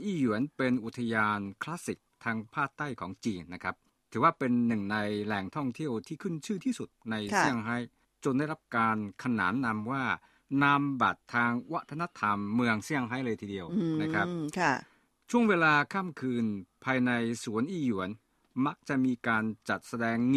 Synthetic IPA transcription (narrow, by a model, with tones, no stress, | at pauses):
ʔiː˥˩ju˩˦ənpe˧nʔu˨˩t̪ʰa˧jaː˧nkʰlaː˦˥si˨˩k̚t̪ʰaː˧ŋpʰaː˥˩t̪ːa˥˩jkʰɔː˩˦ŋt͡ɕiː˧nːa˦˥kʰa˦˥p̚ | t̪ʰɯː˩˦waː˥˩pe˧nːɯ˨˩ŋna˧jlɛ˨˩ŋt̪ʰɔ˥˩ŋt̪ʰi˥˩əwt̪ʰiː˥˩kʰɯ˥˩nt͡ɕʰɯː˥˩t̪ʰiː˥˩su˨˩t̪̚na˧jsi˥˩əŋɦaː˦˥j | t͡ɕo˧nda˥˩jɾa˦˥p̚kaː˧nkʰa˧na̰ː˩˦nːa˧mwaː˥˩ | na˧mba̰˨˩t̪ʰːaː˧ŋwa˦˥t̪ʰːa˧na˦˥t̪ʰa˧mːɯ˧əŋsi˥˩əŋɦaː˦˥jlɤː˧jt̪ʰiː˧di˧əwna˦˥kʰɾa˦˥p̚kʰ | t͡ɕʰu˥˩əŋweː˧laː˧kʰaː˥˩mkʰɯː˧npʰaː˧jna˧jsu˩˦ənʔiː˧˩ju˩˦ən | ma˦˥k̚t͡ɕa˨˩ʔmiː˧kaː˧nt͡ɕa˨˩t̪̚sa˧dɛː˧ŋ